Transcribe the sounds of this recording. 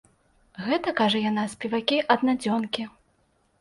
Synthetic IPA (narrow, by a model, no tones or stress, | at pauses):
ɣɛt̪ɐkaʐɐjanasʲpʲivakʲiʔɐd̪nad͡zʲɔnkʲi